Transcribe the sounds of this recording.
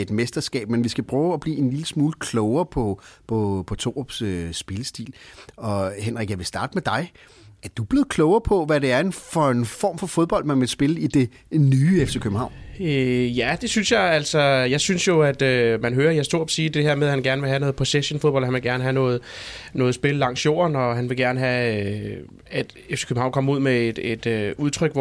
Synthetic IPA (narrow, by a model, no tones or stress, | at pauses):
e̝d̥mesd̥ɐsɡ̥ɛ̰ːb̥menʋisɡ̥æb̥ʰʁɔʊɒb̥lḭːe̝nliləsmuːləkʰlɔʊɐːpʰɒ̽pʰɒ̽pʰɒ̽t͡sʰo̝̰ːob̥søsb̥e̝ləsd̥ḭːlɒ̽henʁaɡ̥jɑ̈ɪʋe̝sd̥ɑ̈ːdəmed̥ɑ̈ɪ | æɐd̥ub̥le̝ð̩ˠkʰlɔʊɐpʰɒ̽ʋæɾ̥e̝æɐe̝nfɒ̽enfɒ̰ːmfɒ̽fo̝ð̞ˠb̥ɒ̽l̰d̥̚mænʋesb̥e̝ləid̥e̝ | nyːefsəkʰøb̥m̩ɑ̈ʊ̰øjæd̥e̝synsjɑ̈ɪæl̰sɒ̽jɑ̈ɪsynsjo̝æd̥ømænɦøːɐjɑsd̥o̝ɐ̰b̥ɒ̥siːd̥e̝heɐ̰meðˠhænɡ̥æɐnəʋe̝ɦænɔ̽ːð̩ˠpʰo̝seɕonfoðˠbɒ̽l̰hænʋeɡ̥æɐnəɦænɔ̽ːð̩ˠnɔ̽ːð̞̩ˠsb̥e̝ləlɑ̈ŋ̰sjo̝̰ːɐnɒ̽ɦænʋe̝ɡ̥æɐnəɦæ | æd̥efse̥kʰøb̥m̩ɑ̈ʊnkɒ̽muð̞̰ˠmeed̥ed̥øuðˠt͡sʰʁœɡ̥ʋɒ